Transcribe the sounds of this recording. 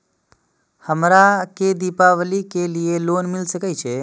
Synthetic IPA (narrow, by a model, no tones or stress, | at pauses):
həmɾaked̪ipaʋəlikelieloːnmɪlsəkət͡ʃʰe